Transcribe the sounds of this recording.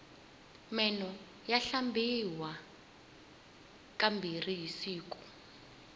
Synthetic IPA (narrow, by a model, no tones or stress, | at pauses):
mɛnɔ | jaɬambiwa | kʼambʱirijisiːk̬u̥